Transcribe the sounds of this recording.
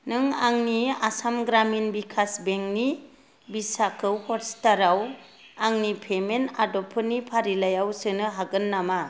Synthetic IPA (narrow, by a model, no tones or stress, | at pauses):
nɯŋaŋniasamɡɾaminbikʰasbeŋni | bisakʰɯwhɔɾstaɾaw | aŋnipʰemenadɔpʰɯnipʰaɾilajawsɯnɯɦaɡɯnːama